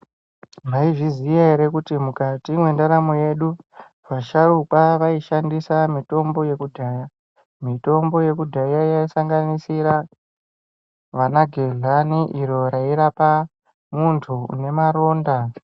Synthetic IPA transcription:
maiʐizijaeɾe̞kutimukatimwe̞ndaɾamoje̞ɗu | ʋaʃaɾukwaʋaiʃandisamito̞mbo̞je̞kudʱaja | mito̞mbo̞je̞kudʱajajaisaŋɡanisiɾa | ʋanaɡʱeɮaniʔiɾo̞ɾaiɾapa | muntʰuṵne̞maɾo̞ːnda

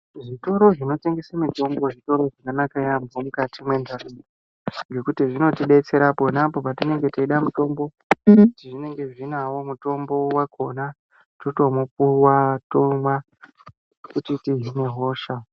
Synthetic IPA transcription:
ʐito̞ɾo̞ʐino̞te̞ŋɡesamito̞mbo̞ʐito̞ɾo̞ʐakanakajambomukatimwe̞ndʱarui | ŋɡe̞kutiʐino̞tiɗe̞t͡se̞ɾapo̞napo̞patine̞ŋɡe̞teiɗamuto̞mbo̞ | tiʐine̞ŋɡe̞ʐinawo̞muto̞mbo̞wakʰo̞na | toto̞mopuwatoma | kutitiɦine̞ɦo̞ːʃa

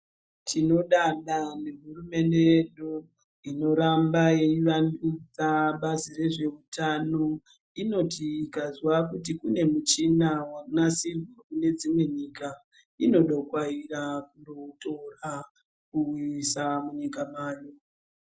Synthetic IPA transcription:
tʰino̞ɗaɗaneɦurume̞ndejeɗu | ino̞ɾambajeiʋandud͡zaɓazire̞ʐe̞utʰano̞ | ino̞tiːkazwakutikune̞mut͡ʃinawanasirukune̞d͡zimwe̞ɲika | ino̞ɗokwairakundotora | kuwisamuɲikamaːjo

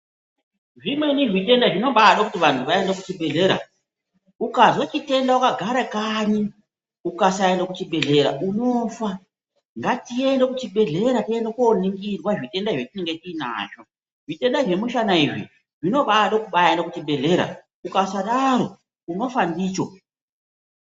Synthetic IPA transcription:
ʐimweniʐitʼe̞ndaʐino̞ɓaɗokutiʋantʰuʋaendekut͡ʃiɓe̞ɮe̞ːɾa̰ | ukazwot͡ʃite̞ndaukaɡʱaɾakaɲi | ukasaendokut͡ʃiɓe̞ɮe̞ɾa̰uno̞fa | ŋɡatie̞nde̞kut͡ʃiɓe̞ɮe̞ɾatie̞ndekuoniŋɡirwaʐite̞ndaʐetine̞ŋɡe̞tiːna̰ʃo̞ | ʐ̥ite̞ndaʐe̞muʃanaiʐḭ | ʐino̞ɓaɗokuɓaendokut͡ʃiɓe̞ɮe̞ɾa̰ | ukasaɗaɾo̞ | uno̞fandiːt͡ʃo

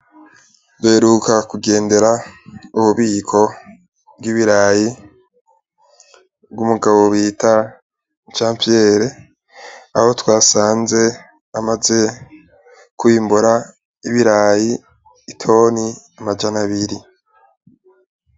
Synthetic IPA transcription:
duheɾukakuɡe̞ːnde̞ɾauβuβiːkʰo̞ | b̚ɡiβiɾaji | bɡumuɡaβo̞βiːta | t͡ʃaːmpijeɾe | a̰ho̞twaːsaːnze̞ | amaze̞ | kwiːmbuɾa | iβiɾaːjiː | tʰo̞ːni | amad͡ʒanaβiɾi

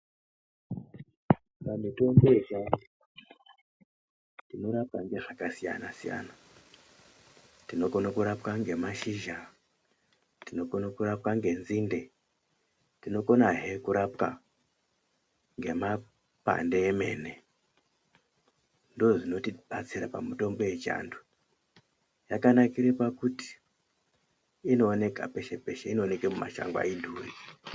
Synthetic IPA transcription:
pamito̞mboet͡ʃa | tino̞ɾap̚kaŋɡe̞ʐakasija̰nasija̰na | tino̞ko̞nakuɾapkaŋɡe̞maʃiʒa | tino̞konakuɾap̚kaŋɡe̞nziːnde | tino̞ko̞naɦekuɾapka | ŋɡe̞ma | pa̰nde̞ːme̞ne̞ | ndoʐino̞tiɓat͡sirapa̰muto̞mbo̞je̞t͡ʃa̰ːndu | jakanakirepakuti̥ | ino̞ːne̞ka̰pe̞ʃepe̞ʃeino̞ːne̞kemuma̰ʃa̰ŋɡwa̰indʱuːri

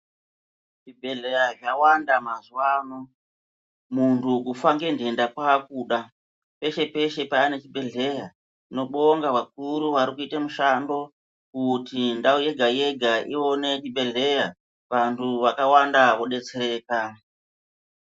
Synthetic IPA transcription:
ʐibʱe̞ɮe̞jaʐawandamazuwaːno̞ | muntʰukufaŋɡe̞ndendakwak̚uːɗa | pe̞ʃe̞pe̞ʃe̞paːne̞t͡ʃibʱe̞ɮe̞ja | ino̞ɓoŋɡaʋak̚uɾuʋaɾikuitamuʃando̞ | kutindauje̞ɡʱaje̞ɡʱaʔio̞ne̞t͡ʃiɓʱe̞ɮe̞ja | ʋantʰuʋakawandaʋo̞ɗe̞t͡seɾe̞ːka

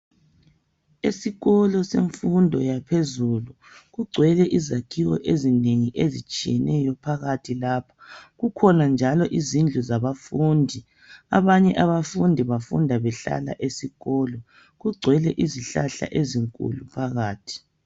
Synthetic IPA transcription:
esiɣɔlɔseɱfundʱɔjapʰezulu | ɣuɡ͡ǀʱwɛlɛʔizakʰiwɔʔezineŋiʔezit͡ʃʼijɛnʔɛjɔpʰaɣatʰilaːpʰḁɣukʰɔnand͡ʒʱalɔʔizind͡ɮʱuzaβafuːndʱi | a̰βaɲɛʔaβafundʱiβafṵndʱaβɛɬa̰la̰ʔesiɣɔːlɔ | ɣuɡ͡ǀʱwɛlɛʔiziɬaɬa̰ʔeziŋkʼṵlupʰaɣaːtʰi̥

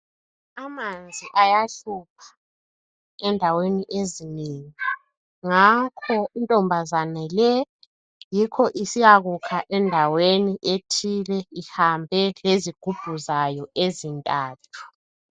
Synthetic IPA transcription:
amand͡zʱiʔajaɬup̚ʰḁ | ɛndʱaweniʔezineŋi | ŋakʰɔintʼɔmbʱazanɛlɛ | jikʰɔʔisijaɣukʰaʔɛndʱaweniʔetʰilɛihambʱɛleziɡ̥ʱub̥ʱuzajɔʔezintʼaːtʰu̥

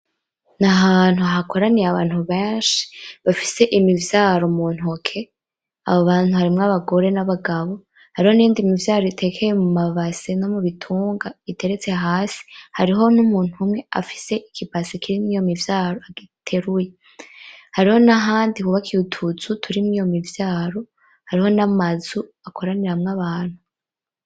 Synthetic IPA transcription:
naɦaːn̥huaɦako̞ɾanijaβaːn̥huβeːnʃi̥βafi̥se̞ʔimivjaːɾomuːn̥okʰe̞ | a̰βoβaːn̥uhaɾimŋaβaɡo̞ɾe̞naβaɡaβo̞ | haɾiho̞nijiːndimivjaːɾoitʰe̞kʰejemumaβaseno̞muβitʰuːŋɡaite̞ɾet͡se̞ɦaːsi̥haɾiɦo̞numuːn̥umŋe̞a̰fi̥se̞ʔikibasikiɾimijo̞mivjaːɾo̞aɡitʰe̞ɾuje̞ | haɾiho̞naɦaːndikuβakʰiutʰut͡sutʰuɾimŋijo̞mivjaːɾo̞ | haɾiho̞namazuakʰo̞ɾaniɾamŋaβaːn̥hu

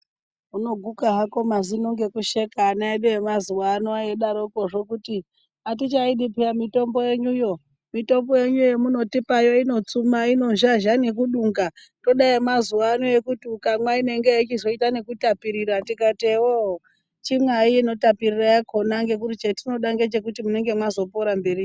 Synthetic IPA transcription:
uno̞ɡʱukaɦako̞mazinoŋɡe̞kuʃe̞kaːnaeɗeemazuwanoajeɗaɾoko̞ʐo̞kuti | at̬it͡ʃaiɗipijamito̞mbo̞jeɲujo̞ | mito̞mbo̞je̞ɲujo̞muno̞tipajo̞ino̞t͡sumaino̞ʒaʒanek̬uɗuŋɡa | to̞ɗaimazuʋanoekutiukamwaine̞ŋɡeit͡ʃizo̞itane̞kutapiɾiɾatikatewo | t͡ʃimwaiːno̞tapirirajakʰo̞naŋɡe̞k̬uɾut͡ʃetino̞ɗaŋɡet͡ʃe̞k̬utimune̞ŋɡe̞mwazo̞poɾambe̞ri

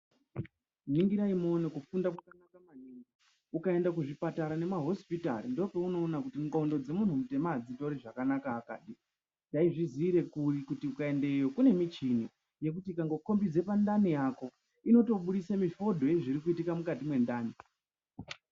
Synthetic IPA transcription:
niŋɡiɾaimo̞nekufundakakanakamaniŋɡa | ukae̞ndak̬uʐipataɾane̞maɦo̞spita̰ɾindo̞peuno̞ːnakutiŋɡondo̞d͡ze̞mun̤umute̞maːd͡zitoɾiʐakanakaːka̰ːɗi | d͡ʒaiʐiziɾe̞kurikutiukae̞ndejo̞kune̞mit͡ʃini | je̞k̬utikaŋɡo̞ko̞mbid͡ze̞pandanijaːko̞ | ino̞to̞ɓuɗisamifo̞dʱo̞je̞ʐiɾikuitikamukatimwe̞ndaːni

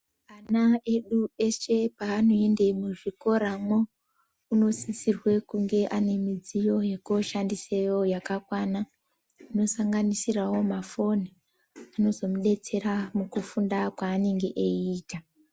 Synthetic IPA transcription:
anae̞ɗue̞ʃe̞paːno̞e̞ndemuʐiko̞ɾamo̞ | uno̞sisirwe̞kuŋɡe̞ʔane̞mid͡zijo̞je̞koʃandisejo̞jakakwana | ino̞saŋɡanisirawo̞mafo̞ni | ano̞zo̞muɗe̞t͡se̞ɾamukufundakwaːneŋɡe̞ʔeiːta

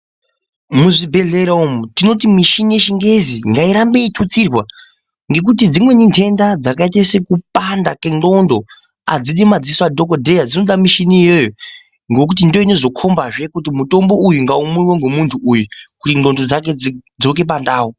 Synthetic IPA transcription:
muʐibʱe̞ɮeɾaumutino̞timiʃinije̞ʃiŋɡe̞ziŋɡaiɾambe̞itʰut͡sirwa | ŋɡe̞k̬ut̬id͡zimwe̞ɲintʰe̞ndad͡zakaitasekupandake̞no̞ndo̞ | ad͡ziɗimad͡ziswadʱo̞kodʱe̞jad͡zino̞ɗamiʃinijo̞jo | ŋɡo̞k̬ut̬indo̞ine̞zo̞kʰo̞mbaʐe̞kut̬imuto̞mbo̞ujuŋɡaumuiweŋɡomuntʰuʔːjukutiŋ͡ǃo̞ndo̞d͡zak̬e̞d͡zo̞k̬e̞pandaːo

